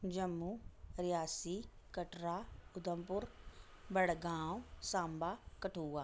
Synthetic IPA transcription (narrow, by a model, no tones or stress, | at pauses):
d͡ʒəmːuːɾɪjaːsiː | kəʈɾaːʊd̪əmpʊɾ | bəɽɡãːsãːmbaːkəʈʰuːaː